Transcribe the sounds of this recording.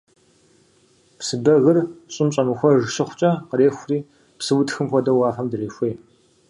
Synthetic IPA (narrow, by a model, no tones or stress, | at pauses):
psɨbɐɣɨrɕʼɪmɕʼɐmɨxʷɔʒɨɕɪχʷʊt͡ʃʼɐqəreːxʷriː | psɨwʊtxɨmxʷɔdɐwaːfɐmdɨreːxʷej